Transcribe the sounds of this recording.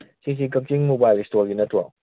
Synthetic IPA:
sis̬ik̬ɐk̚t͡ʃiŋmobajlistoɾɡinɐtwɔ

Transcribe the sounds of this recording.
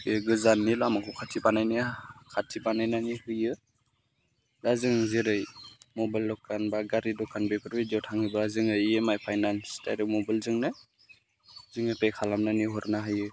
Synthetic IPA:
keɡɯzanːilamakʰɔkʰatʰibanajnikʰatʰibanajnanihɯjɯ | dazɯŋzeɾɯjmɔbajlːɔkːanbaɡaɾidɔkʰanbepʰɯɾbidawtʰaŋɯbazɯŋɯjemajpʰajnanstʰa̰jɾɯmɔbalzɯŋnɯ | zɯŋɯpejkʰalamnaniɦɔɾnaɦajɯ

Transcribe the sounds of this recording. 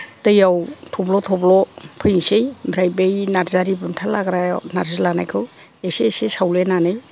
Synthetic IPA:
tɯjawtʰɔblɔtʰɔblɔpʰɯjnsejbʱɾajbejnaɾzaɾibɯntʰalaɡɾanaɾzɯlanajkʰɯw | eseːsesawlenanɯj

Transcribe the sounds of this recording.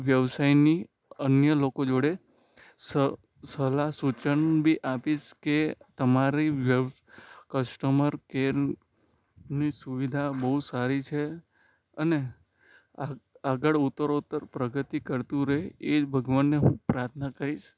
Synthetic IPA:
ʋjəʋsajni | ənjəlokod͡ʒoɽe | sə | səlasut͡ʃəɳbʱiʔapiʃket̪əmaɾiʋjəʋ | kəsʈəməɾkeɾ | nisuʋid̪ʱabəɦusaɾit͡ʃʰe | əne | a | aɡəɭut̪ːəɾot̪ːəɾpɾəɡət̪ikəɾt̪ũɾəɦeebʱəɡʋanːeɦũpɾaɾt̪ʰnakəɾiʃ

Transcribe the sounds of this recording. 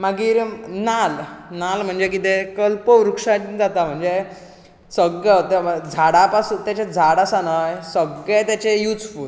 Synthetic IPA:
maɡiːɾnalnalm̤əɳd͡zek̬it̪ekəlpəʋɾukʂad͡zat̪am̤əɳd͡ze | səɡət̪d͡zʱaɽapasut̪jat͡ɕed͡zʱaɽasanajsəɡɭɛt̪jat͡ɕejut͡sful

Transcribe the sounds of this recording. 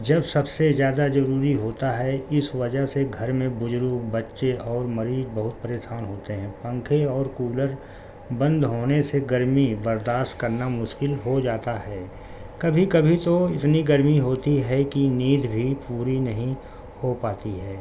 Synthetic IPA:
d͡ʒɐbsɐbsezjaːd̪azɐɾuːɾiɦoːt̪aɦɛɪsʋɐd͡ʒəɦseɡʱɐɾmẽbʊd͡ʒɾuːkbɐtːʃeʔɔːɾmɐɾiːzbɐɦʊt̪̚pɐɾeːʃaːnɦoːt̪eɦɛ̃ːpɐ̃ŋkʰeɔːɾkuːləɾ | bɐ̃nd̪ɦoːneseɡɐɾmibɐɾd̪aːst̪kɐɾnamʊʃkɪlɦod͡ʒaːt̪aɦɛː | kɐbʱikɐbʱit̪oɪt̪niɡɐɾmiɦoːt̪iɦɛkiniːd̪ʱbʱipuːɾinɐɦĩ | hopaːt̪iɦɛː

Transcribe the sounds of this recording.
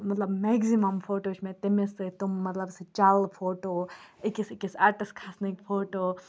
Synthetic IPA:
mɐt̪lɐbmeɡzimɐmpʰoːʈoːt͡ʃʰmẽt̪emesɨt̪umːɐt̪lɐbsɨt͡ʃalpʰoːʈoikisikisaʈiskʰasnikpʰoːʈo

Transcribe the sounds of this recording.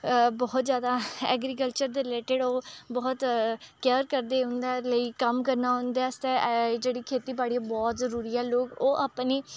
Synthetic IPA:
bɔːt̪zjaːd̪aːɛ̰ːɡɾiːk̬əlt͡ʃəɾd̪eːɾɪleːʈeɖoːbɔːt̪kɛːɾkəɾd̪eːɦʊ̃nd̪aːləiːkəmkəɾnaːɦʊ̃nd̪eːəst̪eːd͡ʒeːɽiːkʰeːt̪iːbaːɽiːaːbɔːt̪zəɾuːɾiːɛːloːɡoːʔaːpniː

